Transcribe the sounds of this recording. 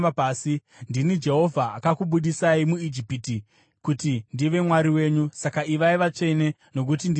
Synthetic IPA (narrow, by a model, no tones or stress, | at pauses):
paːsi | ndinid͡ʒe̞ɦo̞vʱaːkakuɓuɗisaimuid͡ʒipiti | kutindiʋe̞mwaɾiwe̞ːɲusakaiʋaiʋat͡ʂe̞ne̞ | no̞k̬utind